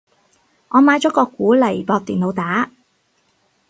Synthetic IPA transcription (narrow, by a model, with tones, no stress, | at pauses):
ʔɔː˨˧maː˨˧jt͡sɔː˨˥kɔː˧kːuː˨˥lɐ˨˩jpɔː˧k̚t̪iː˨˩nlo˨˧wt̪aː˨˥